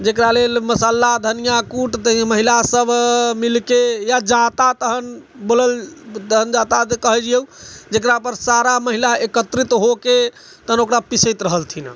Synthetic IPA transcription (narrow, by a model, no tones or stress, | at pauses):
d͡ʒekɾalelməsalːad̪ʱənijakuʈt̪əməɦilasəbʱmilkejad͡ʒat̪at̪əɦənboləlt̪əɦənd͡ʒat̪akəɦɛd͡ʒijeud͡ʒekɾapəɾsaɾaməɦilaekət̪ɾit̪ɦoket̪əɦənokɾapisəjt̪ɾəɦəlt̪ʰina̰